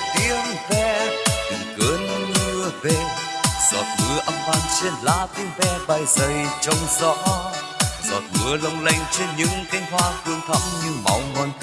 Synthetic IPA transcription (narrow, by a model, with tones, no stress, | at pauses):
t̪i˧əmvɛ˧t̪ɨ˨˩ŋkə˨˦nɲɨ˧əve˨˩z̥ɔ̰˨˩t̚ŋɨ˨˦əʔə˧mvaː˧nt͡ɕe˧nlaː˧˦t̪i˧əŋvɛ˧ɓa˨˩jzə˨˩jt͡ɕɔ˧wŋ͡mzɔ̰˧˥ | z̥ɔ̰˨˩t̚ŋɨ̰˧˦ələ˧wŋ͡mla˧jŋ̟t͡ɕe˧nɲɨ̰˧˥ŋk̪a˧jŋ̟ɦwaː˧kɨ˧əŋt̪ʰə̰˧˥mɲɨ˧ŋma̰˨˦wŋɔ˨˩n